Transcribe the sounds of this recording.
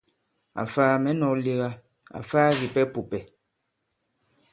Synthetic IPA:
a̰˨faː˦mɛ˨˦nɔ˨˦li˦ɣa˦ | a̰˨faː˦ɣi˨pɛ˦pu˨pɛ˨

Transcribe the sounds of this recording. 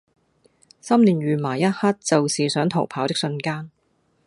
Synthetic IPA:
sɐ˥mnliː˨nɥyː˨maː˨˩jɐ˥t̚haː˥t̚t͡sɐ˨wsiː˨˩sœː˨˥ŋt̪ʰo˨˩wpʰaː˨˥wt̪ɪ˥k̚sɵ˧nkaː˥n

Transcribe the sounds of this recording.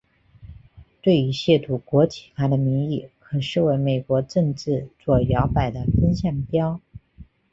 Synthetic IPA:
t̪we˥˩ɪy˧˥ɕjɛ˥˩t̪ʰu˨˩kwɔ˧˥t͡ɕʰi˨˩kʰa˥d̪ə˨mi˧˥ŋi˥˩kʰɤ˨˩ʂɻ̩˥˩we˧˥ɪme˨˩ɪkwɔ˧˥ʈ͡ʂɤ˥˧ŋʈ͡ʂɻ̩˥˧t͡swɔ˥˩jɑ˧˥ʊpa˨˩ɪd̪ə˦fə˥ŋɕjɑ˥˩ŋpjɑ˥ʊ

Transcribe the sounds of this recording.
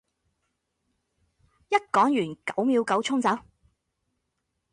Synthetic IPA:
jɐ˥t̚kɔː˨˥ŋjyː˨˩nkɐ˨˥wmiː˨˧wkɐ˨˥wt͡sʰʊ˥ŋt͡sɐ˨˥w

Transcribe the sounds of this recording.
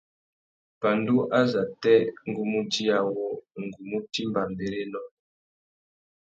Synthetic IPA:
pa˨ndu˦ʔa˦za˨tɛ˦ŋ˨ɡu˦mu˦di˦a˨wɔ˨ŋ˨ɡu˨mu˦ti˦mba˨mbe˨ɾe˦nɔ˨

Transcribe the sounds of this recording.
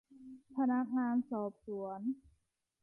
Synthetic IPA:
pʰa˧na˦˥k̚ŋaː˧nsɔː˨˩p̚su˩˦ən

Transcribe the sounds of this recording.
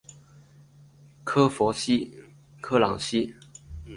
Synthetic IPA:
kʰɤ˥fɔ˧˥ɕi˥ | kʰɤ˥lɑ̰˨˩ŋɕi˥

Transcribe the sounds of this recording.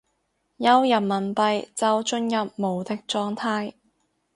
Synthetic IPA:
jɐ˥wjɐ˨p̚mɐ˨˩npɐ˨jt͡sɐ˨˧wt͡ʃɵ˧njɐ˨p̚mo˨˩wt̪ɪ˥k̚t͡ʃɔː˧ŋt̪ʰaː˧˥j

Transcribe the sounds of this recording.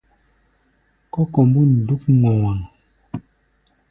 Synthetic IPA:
kɔ˦kɔ˨m˦bu˦n̩˨du˦kŋɔ˨wa˨ŋ

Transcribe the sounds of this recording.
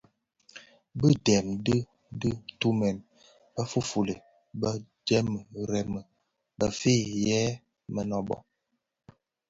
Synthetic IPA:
bə˦dɛ˨mdə˦ | dɨ˦tu˦mɛ˨n | bə˦fu˦fu˨lə˨ | bə˦ | d͡ʒɛ˦mə˨ɾɛ˨mə˨ | bə˦fe˦jɛ˦ | mə˨nɔ˦˨bɔ̰˦

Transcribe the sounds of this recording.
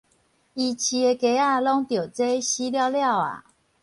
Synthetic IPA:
i˨t͡ɕʰi˨˩e˨ke˨˧˦a˥˧lɔ˦ŋt̪jo˨˩t͡se˦ɕi˦lja˥˧ʊlja˥˨ʊa̰˨

